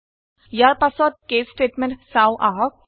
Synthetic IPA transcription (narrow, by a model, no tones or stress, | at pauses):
jaɾpɐsɔːd̪̚keːsʈeːʈmẽɳʈsaːwʔaɦɔk̚